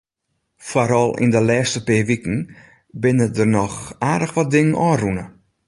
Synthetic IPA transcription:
foɾɔlˠɪ̰ndəlɛːstəpɪːʋikn̩ | bɪnədərnɔxaːdəxʋɔt̚dɪŋənʔɔːrunə

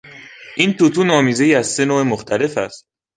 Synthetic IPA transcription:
ʔiːnt̪ʰut̪ʰuːnɒːmiːze̞jæzse̞noːemoxt̪ʰæle̞fæst̪̚

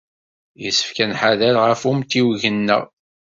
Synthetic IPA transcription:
jəsə̥fkænħaðælʁəfumt̪iwʝənːæ̰

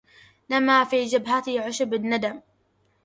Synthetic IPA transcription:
namaːfiːd͡ʒabɦat̪ɪʕʊʃabanːad̪am

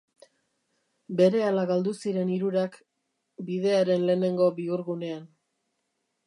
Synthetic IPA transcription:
be̞ɾe̞alaɣald̪usiɾe̞niɾuɾak | biðe̞aɾe̞nle̞ːne̞ŋɡo̞biuɾɣune̞an

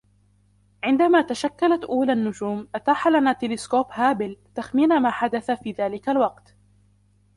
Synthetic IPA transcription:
ʕɪnd̪amaːt̪aʃakːalat̪ʔuːlaʔnːʊd͡ʒuːmʔat̪aːħalanaːt̪ɪlɪskoːphaːbɪlt̪axmiːnamaːħad̪aθafiːðaːlɪkalwɑqt̪

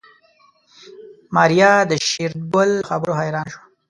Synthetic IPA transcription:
mɑɾjɑd̪əʃiɾd̪̚bʊlxabəɾoɦajɾɑːnʃwa

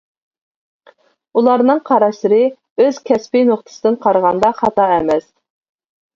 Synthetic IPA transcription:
ulˠɑɾnɨŋqʰɑɾɑʃlɨɾɨ | øz̥kʲʰɛspijnoχt̪ʰə̥sɨd̪ɨnqʰɑɾʁɑnd̪ɑχɑt̪ɑɛmɛs

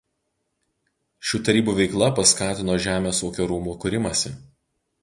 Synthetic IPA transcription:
ʃʲuːt̪ɐɾʲiːbuːˑʋʲɛɪklˠɐpɐskɑːt̪ʲɪnoːʒʲæːmʲeːsoːkʲoːɾuːmuːkʊɾʲɪmɐsʲɪ

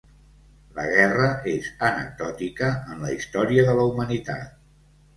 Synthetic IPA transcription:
lə̰ɣɛrəezənə̰k̚d̪ɔt̪ikəːnləist̪ɔɾiəðələumənit̪a̰t̪̚

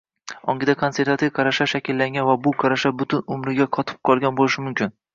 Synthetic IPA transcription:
ɒ̰ŋɡʲɪd̪akʰonse̞ɾt̪vat̪ʰivkʰaɾaʃaʃakʲɪlːaŋɡʲanvabʊqʰaɾaʃabʊt̪ʰʊnʊmɾɪɡʲaqʰɒt̪ʰɪ̥p̚qʰɒlˠɡʲanbolɪʃɪmʊmkʲʰɪn

